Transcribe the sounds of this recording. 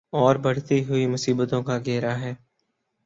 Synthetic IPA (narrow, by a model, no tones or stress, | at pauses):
ɔːɾbɐɽ̤t̪iɦʊimʊsiːbət̪õkaɡeːɾaɦɛː